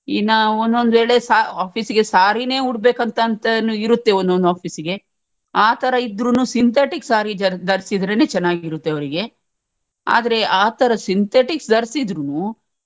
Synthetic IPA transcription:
inːaond̪o̞nd̪ʋeːɭe̞saːaːpʰiːsiɡe̞saːɾine̞ːuɽbeːkɐnt̪ɐːnt̪ɐnuiɾut̪ːe̞ond̪ond̪uaːpʰiːsiɡe̞ | aːt̪ʰɐɾɐid̪ɾunuːsint̪ʰeːʈiksaːɾid͡ʒɐd̪ɐɾsid̪ɾeneːt͡ʃɛnːaːɡiɾut̪ːeɐʋɐɾiɡe̞ | a̰ːd̪ɐɾe̞ʔaːt̪ɐɾɐsint̪ʰeːʈiksd̪ɐɾsid̪ɾunu

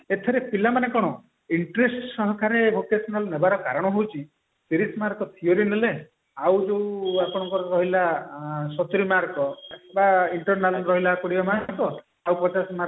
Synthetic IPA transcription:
et̪ʰeɾepilamanekɔɽ̃ɔ | iɳʈɾesʈsɔɦɔkʰaɾebʱokesɔnɔlnebaɾɔkaɾɔɽ̃ɔɦowt͡ʃʰi | piɾismaɾkɔt̪ʰioɾinele | awd͡ʒeapɔɽ̃ɔŋkɔɾɾɔɦilasɔt̪ɾimaɾkɔbaiɳʈɔɾnalɔnɾɔɦilaːkɔɽibamakɔ | awpɔd͡ʒasma

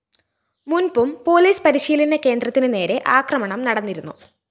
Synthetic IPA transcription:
munbumpo̞ːliːspɐɾiɕiːlɐnɐke̞ːnd̪rɐt̪ːinɨne̞ːɾe̞ʔaːkrɐmɐɳɐmnɐɽɐnːiɾunːu

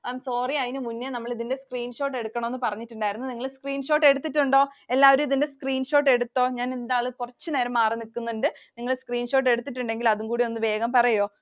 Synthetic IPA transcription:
ajmso̞ːriɐðinɨmunːenɐmːɐɭiðinde̞skriːnʂo̞ːʈ̬ːeɽukːɐɳomenːɨpɐrɐɲːitːuɳɖaːjiɾunːuniŋːɐɭskriːnʂo̞ːʈːe̞ɽut̪ːitːuɳɖo̞ːelːaːʋɐɾumiðinde̞skriːnʂo̞ːʈːe̞ɽut̪ːo̞ːɲaːnend̪aːɭɨkurɐt͡ɕːɨne̞ːɾɐmːaːrinikːunːuɳɖɨ | niŋːɐɭskriːnʂo̞ːʈ̬ːe̞ɽut̪ːitːuɳɖe̞ŋɡilɐðuŋkuːɽionːɨʋe̞ːɡɐmpɐrɐjo̞ː

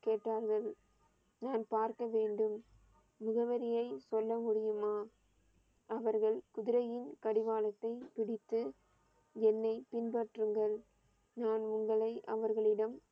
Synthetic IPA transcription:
keːʈːaːɾɣɐɭ | naːnpaːɾkɐʋeːɳɖɯmː | ʊɣɐʋɐɾɪjɐɪsɔlːɐmʊɽɪjɯmaː | ɐʋɐɾɣɐɭkʊðɪɾɐjɪnkɐɽɪʋaːlɐt̪ːɐɪpɪɽɪt̪ːɯ | ɛnːɐɪpɪnpɐʈrɯŋɡɐɭ | naːnʊŋɡɐɭɐɪʔɐʋɐɾɣɐɭɪɽɐm

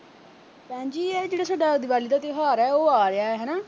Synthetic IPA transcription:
pɛ̃ːɲd͡ʒiːɛːd͡ʒeːɽaːs̬aːɖaːd̪ɪʋaːliːd̪aːt̪ɪɦaːɾɛːoːaːɾɪaːɛːɦɛːnaː

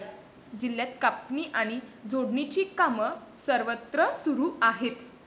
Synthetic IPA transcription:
d͡ʑilːjat̪kapniːʔaɽ̃id͡zʱoɽnit͡ɕiːkaməsəɾʋət̪ɾəsuɾuːaɦet̪

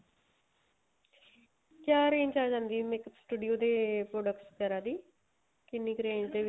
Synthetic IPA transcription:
kjaːɾẽːɲd͡ʒaːd͡ʒãːnd̪iːmɪksʈuːɖijoːd̪eːpɾoːɖəkʈspɛːɾaːd̪iː | kɪnːikɾẽːɲd͡ʒd̪eː

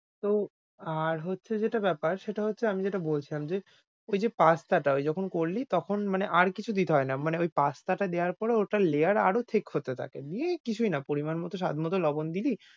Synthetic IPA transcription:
t̪o | aɾɦotːɕʰed͡ʑeʈabɛpaɾʃeʈaɦotːɕʰeamid͡ʑeʈabolt͡ɕʰilamd͡ʑe | ojd͡ʑepast̪aʈaojd͡ʑɔkʰonkoɾlit̪ɔkʰonmaneʔaɾkit͡ɕʰud̪it̪eɦɔenamaneojpast̪aʈad̪ewaɾpɔɾeoʈaleaɾaɾot̪ʰekhot̪et̪ʰa̰kebiekit͡ɕʰujnapoɾimanmɔt̪oʃ̬a̰d̪ʱmɔt̪olɔbond̪ili

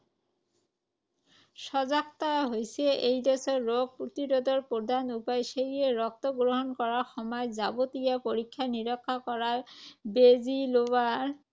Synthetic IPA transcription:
ʃɔzakt̪aɦojsɛʔejdɔsɔːoɡ̚pot̪iɾod̪ɔɹpod̪ʱanupajʃeɹieɹɔk̚t̪ɔɡɹoɦɔnkɔɹaɹxɔmɔjzabot̪ijapoɹikʰːaniɹɔkʰːakɔɹaɹbezilowaɹ

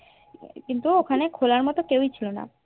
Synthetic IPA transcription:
kint̪uokʰanekʰolaɾmɔt̪okewjt͡ɕʰilona̰

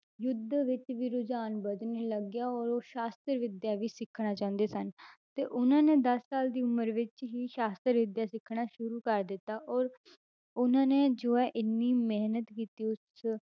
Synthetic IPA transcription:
jʊd̪ʱʋɪt͡ʃʋiːɾʊd͡ʒaːnbəd͡ʒ̪neːləɡjaːɔːɾoːʃaːst̪əɾʋɪd̪jaːʋiːsɪkʰːɽaːt͡ʃaːʊ̃nd̪eːsənt̪eːʔʊnãːneːd̪əsːaːld̪iːʊməɾʋɪt͡ʃɦiːʃaːst̪əɾʋɪd̪jaːsɪkʰːɽ̃aːʃʊɾuːkəɾd̪ɪt̪ːaːʔɔːɾ | ʊnãːneːd͡ʒoːɛːʔɪnːiːmɪɦnət̪kiːt̪iːʊs

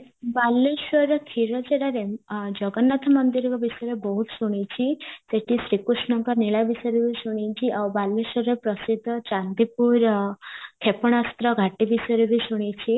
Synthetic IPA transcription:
balːiʃɔɾɔkʰiɾɔd͡ʒeɽaɾed͡ʒɔɡɔnːat̪ʰɔmɔnd̪iɾɔkɔbisɔjɔɾebɔɦut̪suɽ̃it͡ʃʰiseʈisɾikɾusɳɔŋkɔɾniɭabisjɾebʱisuɽ̃it͡ʃʰiʔawbalːiʃɔɾepɾɔsid̪ʱːɔt͡ʃand̪ipuɾ | kʰepɔɽ̃ast̪ɾɔɡʱaʈibisɔjɾebʱisuɽ̃it͡ʃʰi

